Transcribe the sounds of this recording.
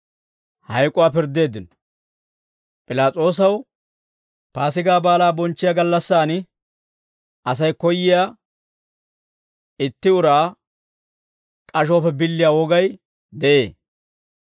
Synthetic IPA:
hɐjkʼʊaːpɪɾd̪e̞ːd̪ːɪn | pʼɪlaːt͡sʼo̞ːs̬ɐw | paːsɪɡaːbaːlaːbɔnt͡ʃːɪjaɡɐlːɐsːaːnɪ | ɐs̬ɐjkɔjːɪjaː | ɪt̪ːɪʊɾaː | kʼɐʃoːpːɛbɪlːɪjawɔɡɐj | d̪ɛʔḛː

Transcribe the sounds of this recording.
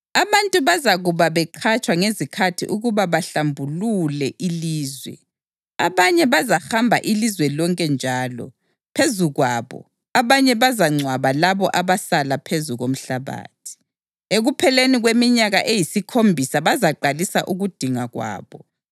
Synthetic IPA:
aβantʼuβazaɣuβaβɛǃʰat͡ʃʼwaŋezikʰatʰiʔuɣuβaβaɬambʱululɛʔiliːzwɛ̰ | aβaɲɛβazaxambʱa̰ʔilizwɛlɔŋkʼɛnd͡ʒʱaːlɔ̰ | pʰezuɣwaβɔ̰ | aβaɲɛβazaŋ͡ǀʱwaβalaβɔʔaβasalapʰezuɣom̩ɬaβa̰ːtʰi̥ | eɣupʰɛleniɣwemiɲaɣaʔejisikʰombʱisaβazaǃalisa̰ʔuɣud̥ʱiŋaɣwa̰ːβɔ

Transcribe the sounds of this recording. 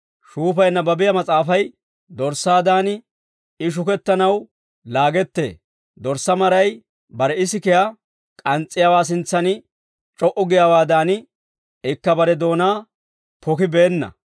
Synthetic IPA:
ʃuːp̬ɐjnːɐbɐbɪjɐmɐt͡sʼaːfɐj | d̪ɔɾsaːd̪aːnɪ | ɪʃ̬ʊkɛt̪ːɐnɐw | laːɡɛt̪ːe̞̰ː | d̪ɔɾsːɐmɐɾɐj | bɐɾɛɪs̬ɪkɛja | kʼɐnt͡sʼːɪjawaːs̬ɪnt͡sːɐn | t͡ʃʼɔʔɔɡɪjawaːd̪aːnɪ | ɪkːɐbɐɾɛd̪o̞ːnaː | pʰɔkɪbɛeːnːɐ̰

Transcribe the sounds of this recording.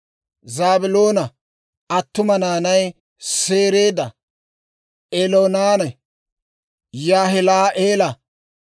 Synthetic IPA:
zaːbɪlo̞ːnɐ | ɐt̪ːʊmɐnaːnɐj | se̞ːɾe̞ːd̪ɐ | ʔeloːnaːnɐ | jaːɦɛlaːʔeːlɐ

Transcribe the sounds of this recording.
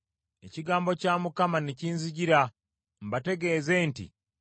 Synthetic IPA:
e̞̰ciɡaːmbo̞caːmukamaneciːnziɟiɾa | mbate̞ɡe̞ːze̞ːntḭ

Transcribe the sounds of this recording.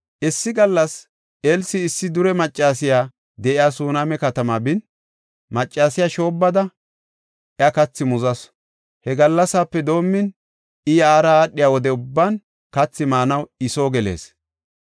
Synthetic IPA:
ʔɛsːɪɡɐlːɐs | elsɪːsːɪd̪ʊɾɛmɐt͡ʃʼːaːsɪjaː | d̪ɛʔɪjaːsuːnaːmɛkɐt̪ɐmaːbɪn | mɐt͡ʃʼːaːsɪjaːʃo̞ːbːɐd̪ɐ | ʔjɐkɐt͡sːɪmʊzɐs | hɛɡɐlːɐsaːpːɛd̪o̞ːmːɪn | ɪjaːɾɐːɗːɪjaːwɔd̪ɛʊbːan | kɐt͡sːɪmaːnɐwɪso̞ːɡɛle̞̰ːs

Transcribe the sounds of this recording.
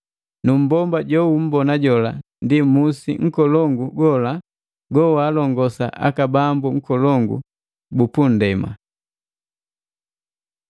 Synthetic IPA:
num̩bɔmbaɟɔum̩bɔnaɟɔlandimusiŋ̩kɔlɔŋɡuɡɔla | ɡɔwaːlɔŋɡɔsa̰ʔa̰kabambuŋ̩kɔlɔŋɡṵ | bupun̩dɛma̰

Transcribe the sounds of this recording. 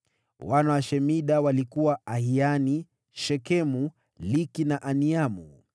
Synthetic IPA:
wanawaʃɛmiɗawalikuwaahiani | ʃɛkɛmu | likinaʔaniamṵ

